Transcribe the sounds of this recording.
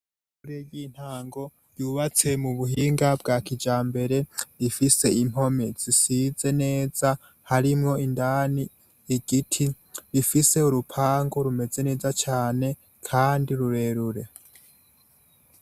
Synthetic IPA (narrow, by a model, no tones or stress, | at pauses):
kuɾeɡiːn̥haːŋɡo̞ | ɾjuːβat͡se̞muβuɦiːŋɡabɡaːkid͡ʒaːmbe̞ɾe̞ɾifise̞im̥ho̞miz̥isize̞ne̞ːza | haɾimŋo̞indaːniː | ɡ̥itʰi | ɾifise̞uɾupʰaːŋɡoɾume̞ze̞ne̞ːzat͡ʃaːne̞ | kʰaːndiɾuɾe̞ːɾuɾe̞